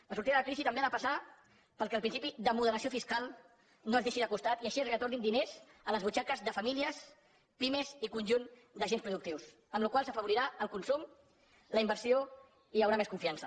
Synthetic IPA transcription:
ləsuɾt̪iðəəkɾizit̪əmbeaðapəsa | pəlˠkɛlˠpɾinsipiðəmuð̞əɾəsiofiskalˠ | noəzðeʃiðəkust̪at̪iəʃizrət̪oɾðind̪inezələzβut͡ʃakəzðəfamiliəs | pimezikunʲʒun | d̪əʒenspɾuðuk̚t̪iws | əmlukwalˠsəfəβuɾiɾaəlˠkunsum | ləimbəɾsio | iəwɾameskuɱfiansə

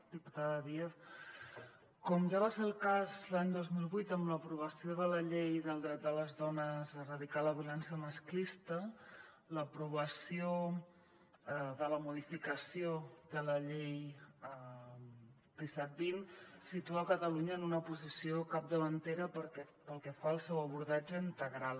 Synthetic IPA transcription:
d̪iput̪aðəðiɛf | kɔmʒaβ̞aseəlˠkazlaɲd̪ozmilˠβujt̪əmləpɾuβ̞əsioðələʎejðəlˠd̪ɾɛt̪̚d̪aləzðɔnəzərəðikaləβilansəməsklist̪ə | ləpɾuβ̞əsio | ðələmuðifikəsioðələʎejə | pisat̪̚binsit̪uakət̪əluɲəːnunəpuzisiokap̚d̪əβənt̪eɾəpəɾkɛ | pəlˠkɛfaəlˠsɛwəβ̞uɾðad͡ʒəint̪əɣɾalˠ

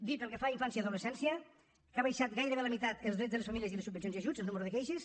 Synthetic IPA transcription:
d̪it̪əlˠkefaiɱfansjiaːðulesɛnsjə | kaβajʃat̪̚ɡajɾəβeləmit̪at̪elzðɾɛd͡zðəlesfamiljəzilesubːenjonziaʒud͡zəlˠnuməɾuðəkejʃes

